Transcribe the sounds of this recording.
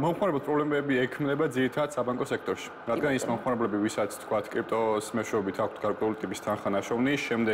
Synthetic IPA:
mɔmχmaɾɛbɛlpʼɾɔblɛmɛbiɛkʰmnɛbad̪ziɾit̪ʰad̪d̪̥sabaŋkʼɔsɛk̚ʰt̪ʼɔɾʃi̥ɾad̪ɡanismɔmχmaɾɛblɛbivisat̪sʰt̪ʰkʰwat̪ʰkʼɾip̚ʰt̪ʼɔsmɛʃɛɔbit̪ʰak̚ʰt̪ʰɡ̥aɾkʼwɛulit̪ʼipʼist̪ʰanχanaʃɔvniʃɛmd̪ɛ

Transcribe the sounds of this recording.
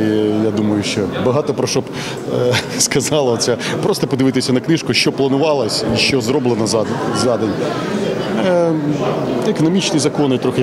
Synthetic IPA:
ijad̪umɐjʊʃt͡ʃɔbɐɦɑt̪ɔpɾɔʃɔb | skɐzɑlˠɐɔsʲapɾɔst̪ɔpɔd̪ɪʋɪt̪ɪsʲɐnɐknɪʃkʊʃt͡ʃɔplˠɐnʊʋɑlˠɐsʲiʃt͡ʃɔzɾɔblˠenɐzzɑd̪enʲ | ekɔnɔmʲit͡ʃnɪjzɐkɔnɪjt̪ɾɔxɪ

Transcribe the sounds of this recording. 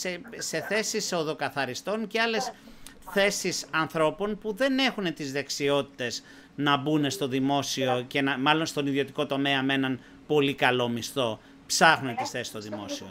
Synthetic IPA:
sese̞θe̞siso̞ðo̞kɐθɐɾist̪o̞nceɐle̞s | θe̞sisɐnθɾo̞po̞npuðe̞ne̞xune̞t̪izðeksio̞t̪i̥t̪e̞z | nɐbune̞st̪o̞ðimo̞sio̞ce̞nɐmɐlo̞nst̪o̞niðio̞t̪iko̞t̪o̞me̞ɐme̞nɐn | po̞likɐlo̞mist̪o̞ | psɐxnunet̪isθe̞sist̪o̞ðimo̞sio

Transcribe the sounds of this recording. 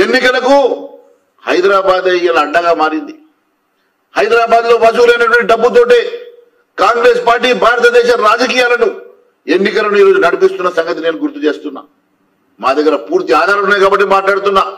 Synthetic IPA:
e̞nːikɐlɐku | hɐjd̪ɾaːbaːd̪ɐjɐlɐːɖːɐɡaːmaːɾind̪i | hɐjd̪ɾaːbaːd̪lo̞ːmɐsuːlɐjnɐʈʋɐɳʈiɖɐbːut̪̬o̞ːʈeː | kaːŋɡɾe̞ːspaːɾʈiːbʱaːɾɐt̪ɐd̪ɛːʃɐɾaːd͡ʒɐkiːjaːlɐnu | e̞nːikɐlɐnuiːɾoːd͡ʒunɐɽipist̪unːɐsɐŋɡɐt̪̬ine̞ːnuɡuɾt̪ːut͡ʃe̞ːst̪unːa̰ː | maːd̪ɐɡːɐɾɐpuːɾt̪iaːd̪ʱaːɾɐnːaːjkaːbɐʈ̬ːimaːʈlaːɽt̪unːaː

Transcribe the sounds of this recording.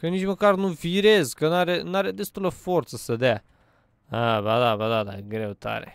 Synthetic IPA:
kɐniʒimɐkaɾnuviɾezkɐnaɾenaɾed̪est̪ulɐfoɾt̪sɐsɐd̪ɛ | abad̪abad̪ad̪aɡɾewt̪a̰ɾḛ

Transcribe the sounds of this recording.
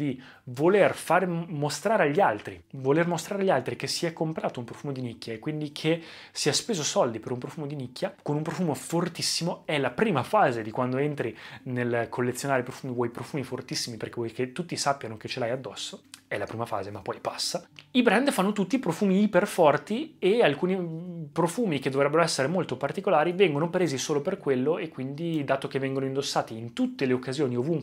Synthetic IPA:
d̪i | volerfaːɾemost̪ɾaːɾeaʎːialt̪ɾivolermost̪ɾaɾeaʎːialt̪ɾik̟esiɛkːompɾaːt̪oumpɾofuːmod̪inikːjaekːwind̪ikʰe | siɛspeːzosɔld̪ipeɾumpɾofuːmod̪inikːjakonumpɾofuːmofort̪isːimoɛlapɾiːmafaːzed̪ikwand̪oent̪ɾinelkʰolːet̪sːjonaːɾepɾofuːmivwɔjpɾofuːmifort̪isːimiperkevɔjket̪ːut̪ːisapːjanoket͡ʃelajad̪ːɔsːoɛlapɾiːmafa̰ːzemapːɔjpḁsːaibɾɛnd̪fanːot̪ut̪ːipɾofuːmiiperfɔrt̪iealkuːnipɾofuːmiked̪ovɾɛbːeɾoɛsːeɾemolt̪opart̪ikolaːɾivɛŋɡonopɾeːzisoːloperkwelːoekːwind̪id̪aːt̪okevːɛŋɡonoind̪osːaːt̪iːnt̪ut̪ːeleokːazjoːniovuŋk

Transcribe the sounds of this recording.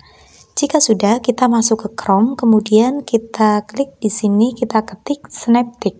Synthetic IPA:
d͡ʒikasudahkit̪amasʊkːəkɾɔmkəmudiankit̪ʰakəlɪk̚disinikit̪akət̪ɪk̚sənɛp̚t̪ɪk̚

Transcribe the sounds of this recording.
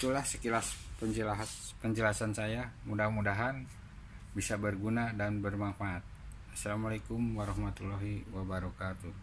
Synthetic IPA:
it̪ulahsəkilaspəɲd͡ʒəlaɦ̪pəɲd͡ʒəlasansajamudamudaɦan | bisabərɡunadanbərmafaʔːt̪̚ | asalamalekumwaɾɔhmat̪ulɔɦiwabaɾɔkat̪u

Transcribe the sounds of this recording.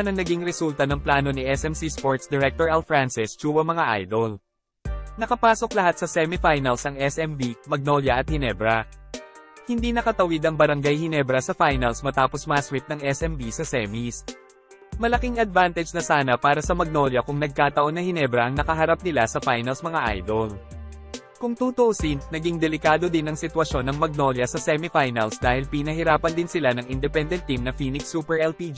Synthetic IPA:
nɐŋnɐɡiŋɾɛsult̪ɐnɐŋplaːno̞niʔɛsɛmsispo̞ɹt̪sd̪ɛɾɛk̚t̪oɹalfɹansɪst͡ʃuːwɐmɐŋaʔa̰jd̪ol | nɐkɐpaːso̞klɐhat̪̚sɐsɛmifajnɐlsɐŋɛsɛmbimɐɡ̚no̞ljɐɐt̪̚hɪnɛbɾɐ | hɪnd̪inɐkɐt̪ɐwɪd̪ɐŋbɐɾɐŋɡajhɪnɛbɾɐsɐfajnɐlsmɐt̪aːpo̞smɐɐswip̪̚nɐŋʔɛsʔɛmbisɐsɛːmis | mɐlɐkiŋɐd̪vant̪ɛd͡ʒnɐsaːnɐpaːɾɐsɐmɐɡ̚no̞ljɐkʊŋnɐɡ̚kaːt̪ɐʔo̞nːɐhɪnɛbɾɐʔɐŋnɐkɐɦɐɾap̚nɪlasɐfajnɐlsmɐŋaʔa̰jd̪ol | kʊŋt̪ut̪oʔosinnɐɡiŋd̪ɛlɪkaːd̪o̞d̪ɪnɐŋsɪt̪wɐʃo̞nɐŋmɐɡ̚no̞ljɐsɐsɛmifajnɐlsd̪aːhɪlpɪnɐɦɪɾaːpɐnd̪ɪnsɪlanɐŋɪnd̪ɛpɛnd̪ɛnt̪ːimnɐfiːnɪksuːpɛɹʔɛlpid͡ʒ

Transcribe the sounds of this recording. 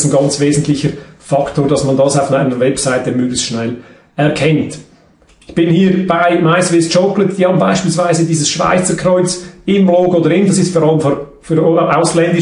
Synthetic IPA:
tn̩ɡɑnt͡sveːzn̩tlɪçəɾfɑktoːɾdɑsmɑndɑsaʊfnaɪnəɾvɛpsaɪtəmøːɡlɪçstʃnɛl | ɛʁkʰɛnt | ɪçb̥ɪnhiːɾb̥aɪmaɪsvɪst͡ʃɔklətd̥iːhɑːbm̩baɪʃpilsv̥aɪzədiːzəsʃv̥a̰ɪt͡səkrɔʏt͡sɪmbloːɡoːdəɾɪndɑsɪstfɔɾɑləmfo | fyɾʔaʊslɛndɪ

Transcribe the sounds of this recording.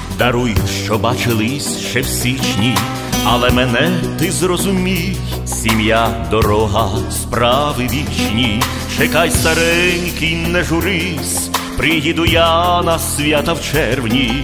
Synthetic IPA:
d̪ɐɾujʊʃt͡ʃɔbat͡ʃɪlˠɪsʲʃt͡ʃɛwsʲit͡ʃnʲi | ɐlˠɛmɛnɛt̪ɪzrɔzʊmʲij | sʲimjad̪ɔɾɔɦɐspɾɑʋɪʋʲit͡ʃnʲi | t͡ʃɛkajst̪ɐɾɛnʲkʲinɛʒʊɾɪ | sʲpɾɪɦid̪ʊjanɐsʲʋʲjat̪ɐwt͡ʃɛrwnʲi

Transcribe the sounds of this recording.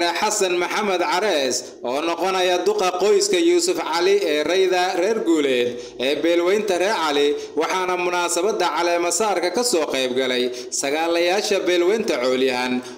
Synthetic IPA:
nɐħɑsɐnmɐħɑmɐd̪ʕɑɾɛːs | ɔːnɔqɔnɐjɐd̪ʊqɑqɔjskʰɐjuːsʊfʕɑlɪɛːrɛjðɐrɛːrɡuːlɛːd̪ | ɛːbɛːlwɛjnt̪ʰɐrɛːrʕɑlɪwɑħɑːnɐmʊnaːsɐβɐd̪ːɐʕɑlɛːmɐsaːrkʰɐkʰɐsɔːqɛjb̚ɡɐlɛj | sɐɣaːlɐjaːʃɐbɛːlwɛjnt̪ʰɐʕɔːljɐɦɐn

